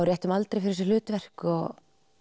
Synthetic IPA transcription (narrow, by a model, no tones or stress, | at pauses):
wɾjɛht̪ʏmalt̪ɾejfɪɾɪs̬ɪlʏːt̪vɛr̥kɔɣ